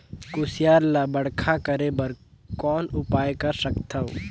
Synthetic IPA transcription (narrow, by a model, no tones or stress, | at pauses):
kʊsɪjaːɾlabəɽkʰakəɾebəɾ | kɔːnʊpaːjekɐɾsəkt̪ʰəo